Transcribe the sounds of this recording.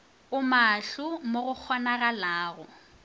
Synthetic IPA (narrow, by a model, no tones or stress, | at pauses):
ʊmaɬʊmoɣʊk͡xʰɔnaɣalaːɣʊ